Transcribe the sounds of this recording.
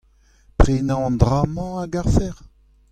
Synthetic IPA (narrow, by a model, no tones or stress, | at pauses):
pχeːnãɑ̃nd̪ʁaːmɑ̃aɡaʁfɛʁ